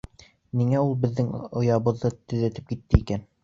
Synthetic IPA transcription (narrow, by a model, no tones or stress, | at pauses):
niŋæulˠbɘ̆ðːɘŋŏjɑβɤ̆ðːɤt̪ɵ̆ðæt̪ɘ̥p̚kit̪ːɘikæn